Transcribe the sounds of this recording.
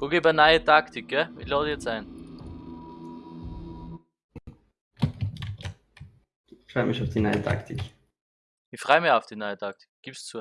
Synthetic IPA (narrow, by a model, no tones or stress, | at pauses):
ʔokeːbənaɪətʰaktɪk̚ɡ̥ɛɪçlaːdəjɛt͡staɪn | ɪçfʁɔʏəmɪçaʊfd̥inaɪətʰa̰ktʰɪk | ɪçfʁ̥ɔʏmɪçaʊfd̥inaɪətʰak̚tɪ̥kɡ̥iːpst͡su